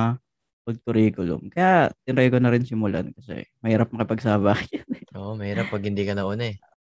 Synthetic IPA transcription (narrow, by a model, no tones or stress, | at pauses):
pʊl̚t̪ʊɾiːkʊlo̰ŋkɐjat̪ɪnɾɛjkonɐɾɪnsɪmʊla̰nkɐsɛ̰mɐhiːɾɐp̚nɐkɪpɐɡ̚saːbajanoʔomɐhiːɾap̚ːɐɡ̚hɪnd̪iːkɐnɐʔonɐɛ